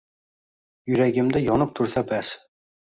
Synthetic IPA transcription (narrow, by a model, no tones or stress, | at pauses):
jʊɾæɡʲɪmd̪ɪjɒnɨp̚t̪ʰʊɾsabæs